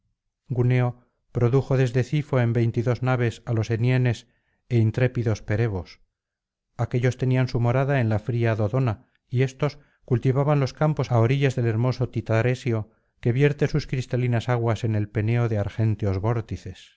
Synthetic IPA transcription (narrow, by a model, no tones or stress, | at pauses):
ɡune̞o̞ | pɾo̞ðuxo̞ðe̞zðe̞θifo̞e̞mbe̞jnt̪iðo̞znaβ̞e̞salo̞se̞nje̞ne̞s | e̞int̪ɾe̞piðo̞spe̞ɾe̞β̞o̞s | ake̞ʎo̞st̪e̞niansumo̞ɾaðae̞nlafɾiaðo̞ðo̞na | ie̞st̪o̞s | kult̪iβaβanlo̞skampo̞saoɾiʎezðe̞le̞ɾmo̞so̞t̪it̪aɾe̞sjo̞ | ke̞βje̞ɾt̪e̞suskɾist̪alinasaɣwase̞ne̞lpe̞ne̞oðeaɾxe̞nt̪eo̞zβo̞ɾt̪iθe̞s